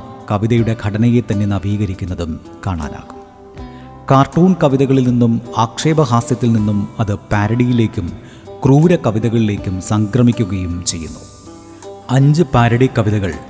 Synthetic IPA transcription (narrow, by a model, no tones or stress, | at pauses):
kɐʋiðɐjuɽe̞ɡʱɐɽɐnɐjet̪ɐnːe̞nɐʋiːɣɐɾikʲːunːɐðum | kaːɳa̰ːna̰ːɣum | kaːrʈːuːɳkɐʋiðɐɣɐɭilninːumaːkʂeːbɐɦaːsjɐt̪ːilninːumɐðɨpaːɾɐɽijile̞ːkʲːum | kruːɾɐkɐʋiðɐɣɐɭile̞ːkʲːumsɐŋkrɐmikʲːuɣɐjumt͡ɕe̞jːṵnːu | ɐɲd͡ʑɨpaːɾɐɽikːɐʋiðɐɣɐɭ